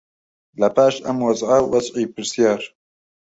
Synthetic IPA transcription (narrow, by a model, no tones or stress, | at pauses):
lɐpaːʃʔɐ̰mwɐzʕawɐzʕiːpɨɾsijaːɾ